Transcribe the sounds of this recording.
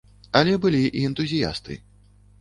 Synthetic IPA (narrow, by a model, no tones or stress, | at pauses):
ɐlʲɛbɨlʲiʔiɛnt̪uzʲija̰st̪ɨ̰